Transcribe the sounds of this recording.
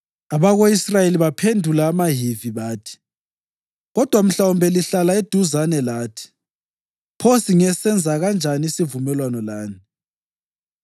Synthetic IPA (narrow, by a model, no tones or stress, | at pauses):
aβaɣoisrajeliβapʰendʱulaːmaɦiviβaːtʰi̥ | ɣɔd̥ʱwam̩ɬawumbʱɛliɬalaed̥ʱuzanɛlaːtʰi̥ | pʰosiŋɛsɛnd͡zʱaɣand͡ʒʱaniisivumɛlwanɔlaːni